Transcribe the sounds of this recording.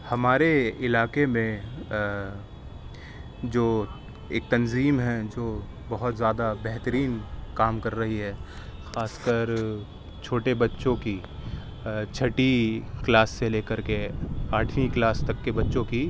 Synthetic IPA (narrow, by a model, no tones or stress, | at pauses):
hɐmaːɾeɪlaːkemẽ | d͡ʒoː | eːk̚t̪ɐnziːmɦɛd͡ʒoː | bɐɦʊt̪zjaːd̪abɛɦt̪əɾiːnkaːmkɐɾːɐɦiɦɛː | xaːskəɾ | t͡ʃʰoːʈebɐtːʃõki | t͡ʃʰɐʈiklaːsːeleːkəɾkeaːʈʰniklaːst̪ɐkːebɐtːʃõki